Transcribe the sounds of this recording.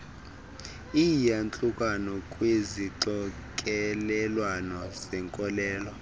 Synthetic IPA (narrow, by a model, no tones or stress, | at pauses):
ijant͡ɬʼukʼanɔkʼweziǀɔ | kʼɛlɛlwanɔzɛŋkʼɔlɛːlɔ